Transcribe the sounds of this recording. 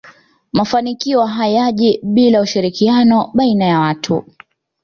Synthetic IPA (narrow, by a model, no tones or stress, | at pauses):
mafanikiɔɦajaʄiɓilauʃiɾikianɔɓainajawatʰu